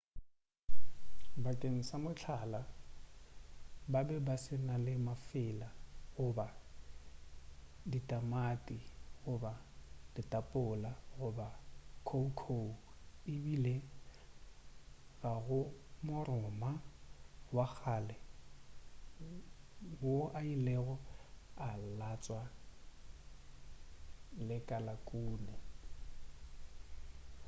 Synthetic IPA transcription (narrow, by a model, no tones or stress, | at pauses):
bakʼeŋ̩samʊt͡ɬʰala | babɛbasɪnalɪmafɪlaɣʊba | ditʼamatʼiɣʊbad̥ɪtʼapʼʊlaɣʊbakʰoukʰouɪbile | ɣaɣʊmʊɾʊma | wak͡xʰalɛ | boʔailɛɣɔalat͡sʼwa | lɪkʼalakʼuːnɛ